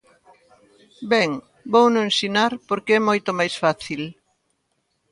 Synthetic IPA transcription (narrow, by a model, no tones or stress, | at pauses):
bɛŋ | bownõensinaɾpoɾkeɛmojt̪omajsfaθil